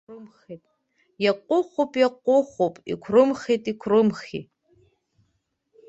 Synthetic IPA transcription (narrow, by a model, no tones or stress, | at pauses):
rɨmχejtʼ | jaqʷʼʊχʷopʼjaqʷʼʊχʷopʼḭkʷʰrɨmχejtʼikʷʰrɨmχḭ